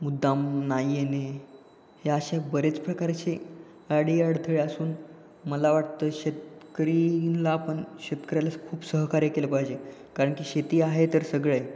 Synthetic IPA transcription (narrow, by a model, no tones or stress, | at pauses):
mud̪ʱːamnajene | heaɕabəɾet͡spɾəkaɾt͡ɕe | aɽiaɽt̪ʰəɭeasuːn | məlaʋaʈt̪əːɕet̪kəɾinlaːpəɳɕet̪kəɾjalakʰuːpsəɦkaɾjəkeləpaɦid͡ʑekaɾəɳkiːɕet̪iːaɦet̪əɾsəɡɭe